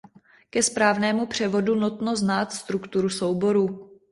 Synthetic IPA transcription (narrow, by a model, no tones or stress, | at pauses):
kɛspɾaːvnɛːmupr̝̥ɛvo̞dunot̪no̞znaːt̪st̪ɾukt̪uɾuso̞wbo̞ɾu